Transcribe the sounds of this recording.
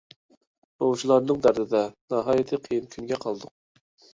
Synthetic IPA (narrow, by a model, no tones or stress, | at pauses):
owʃilˠɑɾnɨŋd̪æɾd̪ɪd̪ɛnɑɦɑːjɪt̪ʰɪqʰijimkʲʰynɡʲɛqʰɑlˠd̪ʊq̚